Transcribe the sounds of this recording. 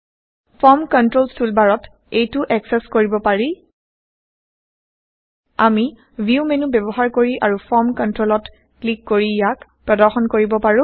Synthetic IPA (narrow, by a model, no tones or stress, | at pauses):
pʰɔɹmkɔntɹolstulbaɹɔt | ejtʊʔɛksɛskoɹibɔpaɹi | ami | bʱiumenubɛbɔɦaɹkoɹiʔaɹupʰɔɹmkɔntɹolɔt | klikːoɹijakpɹɔdɔɹxɔnkoɹibɔpaɹʊ̃